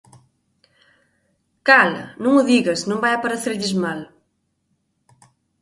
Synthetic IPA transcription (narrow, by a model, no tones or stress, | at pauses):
kal̰nũŋʊðiɣɐsnõmbajɐpaɾeθeɾʎɪzmal